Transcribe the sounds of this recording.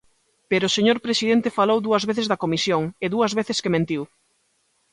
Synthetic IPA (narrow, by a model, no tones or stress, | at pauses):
peɾʊːseɲoɾpɾesiðent̪ɪfalowðuɐzβeθezðɐkomisjoŋeðuɐzβeθɪskemẽnt̪iw